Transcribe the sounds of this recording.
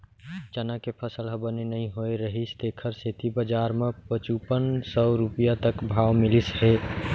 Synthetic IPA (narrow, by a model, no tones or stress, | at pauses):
d͡ʒənakepʰəsəlɦəbənenəɦĩɦoeɾəɦist̪ekʰəɾset̪ibəd͡ʒaɾmẽpət͡ʃupənsɔɾupijat̪əkbʱaːwmɪlisɦe